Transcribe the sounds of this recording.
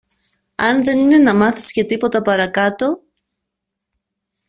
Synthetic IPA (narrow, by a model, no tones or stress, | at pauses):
ɐnðe̞nine̞nɐmɐθi̥scet̪ipo̞t̪ɐpɐɾɐkɐt̪o̞